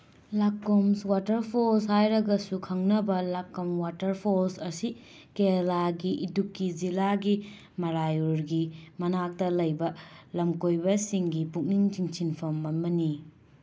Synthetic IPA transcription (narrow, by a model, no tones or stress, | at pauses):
lakːomswatɐɾpʰolshajɾɐɡɐsukʰɐŋnɐbɐlakːɐmwatɐɾpʰolsɐsi | kelaɡiʔidukːid͡ʒilaɡi | mɐɾajuɾɡimɐnak̚tɐlɐjbɐlɐmkojbɐsiŋɡipuk̚niŋt͡ʃiŋt͡ʃʰinpʰɐmːɐnmɐni